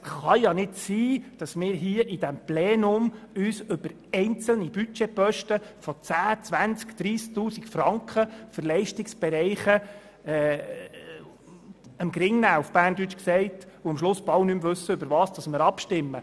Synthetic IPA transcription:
χɑjɑnɪdsiːd̥ɑsmɪːɾɦiːəʔid̥æmpleːnʊmyːsʏb̥əɾ | ɛɪnt͡sl̩nibyt͡ʃɛpœʃtəfɔt͡sæːt͡sʋænt͡skd̥ɾiːsk̚tuːsikfrɑŋkχəfərlɛɪʃtɪksb̥ɛɾɛɪχə | ɛː | əmɡɾɪŋnæːufb̥æːrndyt͡ʃksɛɪtʊəmʃlʊsb̥ɑwnymvɵsːəøbəɾʋɑːsd̥ɑsmɪːɾɑpʃtɪmːə̰

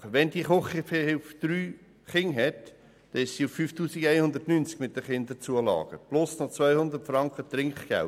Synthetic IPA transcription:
əʋɛndiəχoχifehɪfd̪̥ɾyː | χɪŋɦɛt | d̥ɛɪʃsiufːyːftuːsiɡæɪhʊnd̪ətnyːnt͡skmɪt̚d̥əχɪnd̪əɾt͡suəlɑ̰ːɡ̥əb̥lʊsnot͡svœjhʊnd̪ətfɾɑŋkχət̪ɾɪŋkχɡ̥æ̰l

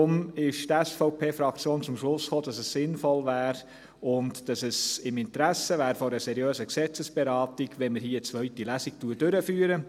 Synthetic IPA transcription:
ʊmɪʃtæsfɔʊpʰeːfɾɑkt͡sjoːnt͡sʊmʃlʊsχoːdɑsɛssɪnfɔlvæːɾ | ʊntd̥ɑsəsɪmɪntɾæsəʋæːɾfoɾəsɛɾjøːsəksɛt͡səsb̥ɛɾɑːtiɡʋɛnməɾɦiːət͡sʋœɥtilæsik̚tuːəɾd̥ʏɾəfyːəɾə

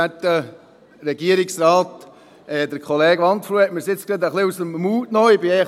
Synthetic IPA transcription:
ætːə | ɾɛɡiəɾɪksɾɑːt | ɛd̪əɾkʰχɔleːɡʋɑnt̪fɾuɛtmɪɾsɪt͡sklet̪əχlɪusəmmuːtnɔɪbɪɛ

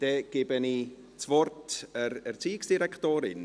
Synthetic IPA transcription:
d̥ɛɡ̥eːbəni | t͡svɔrtɛɾɛɾt͡siːɪksd̥iɾɛktoːɾɪn

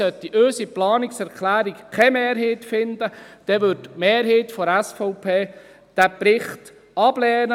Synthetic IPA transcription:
œtːiʔøːsiplɑːnɪksɛɾkʰlæːɾikkʰɛmeːɾɦiːtfɪnd̥̪əd̥ɛʋʏtmeːɾɦiːtfɔɾæsfɔʊpʰeː | d̥æpɾɪχt | ɑb̥lɛːnə

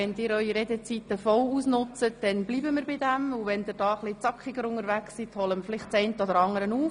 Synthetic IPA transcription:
ɛnd̥̪ɪːɾœʏiɾed̪et͡sit̪əfɔwuːsnʊt͡sət̚d̥ɛnbliːbəmɪːɾbɪd̪æmuʋɛnd̪ɪɾdɑːχlɪt͡sɑkχɪɡəɾʊŋəɾʋæksːit̪hɔləmfɪlɪχtt͡sɛɪntəɔd̪əɾɑŋəɾənuːf

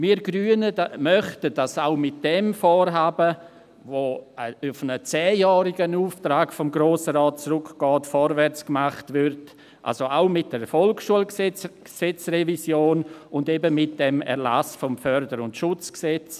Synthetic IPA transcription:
miːɾɡɾyːənəmœχtəd̥asaʊmɪt̚d̥ɛmfoːɾɦaːbə | voʊfnət͡sɛːjɑːɾɪɡənuːftɾaːɡfɔmɡɾoːsəɾɔːt̚t͡sɾʊkɡ̥ɑːtfɔɾvɛɾt͡skmaχtvɪɾt | ʔa̰lsoaʊmɪt̚d̥ɛɾfɔlksʃuəlst͡sksɛt͡srɛvisjoːnʊndebəmɪt̚d̥ɛmɛ̰ɾla̰sfɔmfœɾdəɾʊntʃʊt͡sksɛt͡s

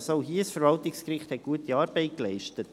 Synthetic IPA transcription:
soʊɦiːəsfəɾvɑltɪkskɾɪχthɛt̚ɡ̥uətiɑːɾb̥ɛɪt̚klɛɪʃtət

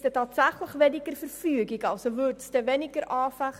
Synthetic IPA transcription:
dətɑːtsæχləχvənikərfərfyəɡikɐlˠsəvurtstəvənikəɾʔɑːfæχ

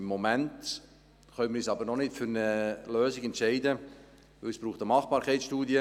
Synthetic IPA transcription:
mːomɛnt | χœnmɪɾyːsɑːbəɾnɔnɪtfʏɾnəløːzɪɡɛntʃɛɪdə | ʋɪlsb̥ɾuːχtəmɑχb̥ɑːɾkʰɛɪt͡ssʃtuːdjə

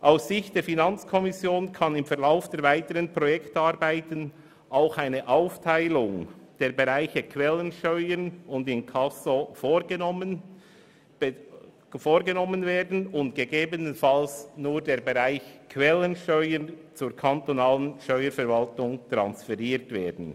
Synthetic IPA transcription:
ʔaʊsːɪçtd̥eːɾfinant͡skʰɔmɪsjoːnkʰɑnɪmfɛɾlaʊfd̥eːɐɾvaɪtəʁənpʁ̥ɔjɛktaɾbaɪtən | ʔaʊxaɪnəʔaʊftʰaɪlʊŋd̥eːɾbeʁaɪçəkʰvɛlːənʃtœʏənʊndɪnkʰasofo | foːɾɡənɔmənveːdn̩ʊntɡ̥eɡeːbənənfalsnuːɾdeːɾbeʁaɪçkʰvɛlənʃtœʏənt͡suːɾkʰantonaːlənʃtœʏəɾfɛɾvaltʊŋt̪ɾa̰nsfɛʁiːɾtvḛːdn̩

